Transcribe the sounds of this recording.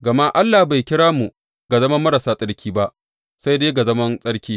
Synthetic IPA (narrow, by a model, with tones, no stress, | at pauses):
ɡɐ˨ma˦ʔa˦lːa˨hba˨jkʲɪ˦ɽaː˦mu˨ | ɡa˨zɐ˦mɐ˦mːɐ˦ɾa˨saː˦sʼɐ˦ɽkʲiː˦ba˦ʔ | sa˦jdeː˦ɡa˨zɐ˦mɐ˦nsʼɐ˦ɽkʲiː˦